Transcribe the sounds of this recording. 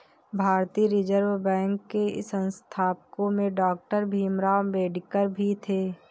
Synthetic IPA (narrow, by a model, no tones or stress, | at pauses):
bʱaːɾt̪iːɾɪd͡ʒəɾʋbɛ̃ːŋkːeɪ̰sə̃nst̪ʰaːpkõmẽɖɔːk̚ʈəɾbʱiːmɾaːbeːɖɪkəɾbʱit̪ʰeː